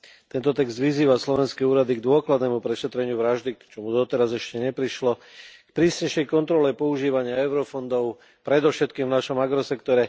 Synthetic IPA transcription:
t̪ɛnt̪ɔt̪ɛɡzd̪ʋiziːʋaslɔʋɛnskɛːuːɾad̪iɡd̪ʊɔklad̪nɛːmupɾɛʃɛt̪ɾɛɲɪuʋɾaʒd̪it͡ʃɔmud̪ɔt̪ɛɾazɛʃcɛɲɛpɾiʃlɔkpɾiːsɲɛjʃɛjkɔnt̪ɾɔlɛpɔuʒiːʋaɲɪaɛʊɾɔfɔnd̪ɔʊ | pɾɛd̪ɔʊʃɛt̪kiːmvnaʃɔmaɡɾɔsɛkt̪ɔɾɛ

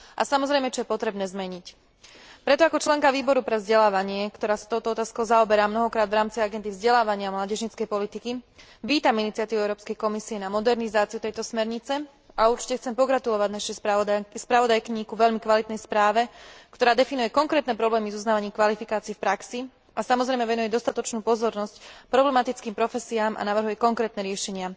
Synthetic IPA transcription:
ʔa̰samɔzɾɛjmɛt͡ʃɔjɛpɔt̪ɾɛbnɛːzmɛɲic | pɾɛt̪ɔakɔt͡ʃlɛŋkaʋiːbɔɾupɾɛvzɟɛlaːʋaɲɪɛkt̪ɔɾaːsḁt̪ɔʊt̪ɔɔt̪aːskɔʊzaɔbɛɾaːmnɔɦɔkɾaːd̪ʋɾaːmt͡siaɡɛnd̪ivzɟɛlaːʋaɲɪamlaːɟɛʒɲit͡skɛjpɔlit̪iki | ʋiːt̪aminit͡siat̪iʋuɛʊɾɔːpskɛjkɔmisiɛnamɔd̪ɛɾnizaːt͡siut̪ɛjt̪ɔsmɛɾɲit͡sɛ | auɾt͡ʃi̥cɛxt͡sɛmpɔɡɾat̪ulɔʋaɟnaʃɛjspɾaʋɔd̪ajkiɲiːkuʋɛʎmikʋalit̪nɛjspɾaːʋɛkt̪ɔɾaːd̪ɛfinujɛkɔŋkɾɛːt̪nɛpɾɔblɛːmizuznaːʋaɲiːmkʋalifikaːt͡siɛfpɾaksi | asamɔzɾɛjmɛʋɛnujɛd̪ɔst̪at̪ɔt͡ʃnuːpɔzɔɾnɔscpɾɔblɛmat̪it͡skiːmpɾɔfɛsiaːmʔa̰naʋr̩ɦujɛkɔŋkɾɛːt̪nɛɾɪɛʃɛɲɪa

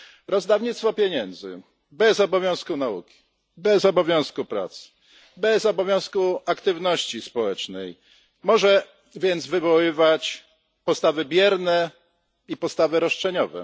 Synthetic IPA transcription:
ɾɔzd̪avɲit̪st̪fɔpʲjɛɲɛnd̪zɘ̰ | bɛzɔbɔvʲjɔ̃w̃skunaṵkʲi̥ | bɛzɔbɔvʲjɔ̃w̃skupɾa̰t̪s | bɛzɔbɔvʲjɔ̃w̃skuakt̪ɘvnɔɕt͡ɕispɔwɛt͡ʂnɛj | mɔʐɛ | vʲjɛnd̪zvɘvɔwɘvat͡ɕ | pɔst̪avɘbʲjɛɾnɛ | ipɔst̪avɘɾɔʂt͡ʂɛɲɔvɛ̰

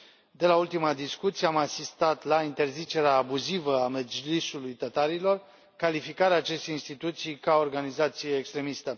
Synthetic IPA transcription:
d̪e̞lault̪imad̪iskut̪sijeamasist̪at̪laint̪e̞rzit͡ʃe̞ɾeaːbuzivəamed͡ʒlisulujt̪ət̪aɾilo̞r | kalifikaɾeaːt͡ʃe̞st̪einst̪it̪ut̪sijkao̞rɡanizat̪sijeːkst̪ɾe̞mist̪ə

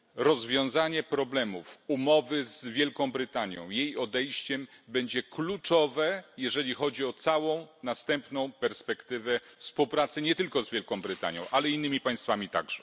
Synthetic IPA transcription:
ɾɔzvʲjɔ̃w̃zaɲɛpɾɔblɛmufumɔvɘzvʲjɛlkɔ̃w̃bɾɘt̪aɲjɔ̰̃w̃jejɔd̪ɛjɕt͡ɕɛmbɛɲd͡ʑɛklut͡ʂɔvɛjɛʐɛlʲixɔd͡ʑiɔt̪sawɔ̃w̃nast̪ɛmpnɔ̃w̃pɛɾspɛkt̪ɘvɛfspuwpɾat̪sɘɲɛt̪ɘlkɔzvʲjɛlkɔ̃w̃bɾɘt̪a̰ɲjɔ̰̃w̃ʔalɛinːɘmʲipaj̃st̪famʲit̪a̰ɡʐɛ

